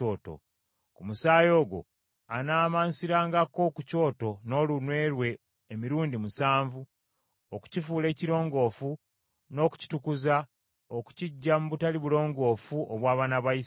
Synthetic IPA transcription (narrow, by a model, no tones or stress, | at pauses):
oːto̰ | kumusaːjo̞ːɡo̞̰ | anaːmansiɾaːŋɡako̞kuco̞ːto̞no̞ːlunwe̞ːɾwe̞ː | miɾuːndimusaːɱvu | oku̥cifuːle̞ːciɾo̞ːŋɡo̞ːfu | no̞ːku̥ci̥tukuza | oku̥ciɟːamuβutaliβulo̞ːŋɡo̞ːfuʔoβwaːβanaβais